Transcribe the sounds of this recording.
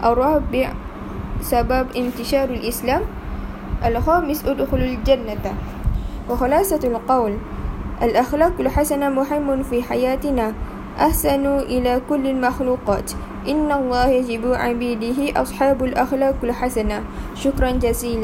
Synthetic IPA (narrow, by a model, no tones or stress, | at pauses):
ʔɑrˤːɑːbɪʕ | sababʔɪnt̪ɪʃɑːɾalʔɪslaːm | ʔalxaːmɪsʔad̪xʊlald͡ʒanːa | waxʊlɑːsalqɑwlʔalʔaxlaːqalħasanamʊɦɪmːʊnfiːħajaːt̪ɪnaː | ʔaħsanuʔɪlaːkʊlːalmaxluːqɑːt̪ | ʔɪnːalˤːɑːhjad͡ʒɪbʕabiːd̪ɪɦɪʔɑ̰sˤħɑːbalʔaxlaːqalħasana | ʃʊkɾˤɑnd͡ʒaziːla